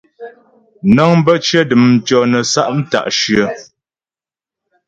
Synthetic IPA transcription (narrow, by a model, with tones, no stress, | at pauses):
nɔ˦ŋm˦bə˦t͡ʃə˦də˨m̩˨t͡ʃɔ˨nə˨sa˦ʔm̩˦ta̰˨ʔʃɰə˨